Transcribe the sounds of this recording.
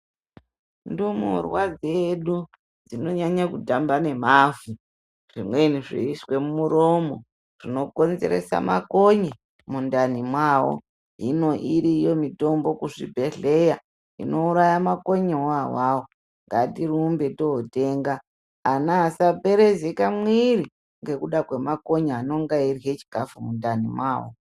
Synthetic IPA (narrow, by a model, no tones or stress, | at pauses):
ndumṵrwad͡zeɗu | d͡zino̞ɲaɲakutambane̞m̤aːvu | ʐ̥imwe̞niʐḭiswe̞mumuɾo̞mo̞ | rino̞ko̞nze̞̰ɾḛsa̰ma̰ko̞ɲe | mundanimwawo̰ | ɦino̞ʔiɾijo̞mito̞mbo̞kuʐḭbʱe̞ɮe̞ja | ḭno̞uɾajamako̞ɲeawawo | ŋɡatirumbe̞to̞ote̞ːŋɡaː | naːsape̞ɾe̞zekamwiɾi | ŋɡe̞kuɗakwe̞mako̞ɲaano̞ŋɡairiɦet͡ʃi̥ɡ̥ʱafumundanimwaːwo̰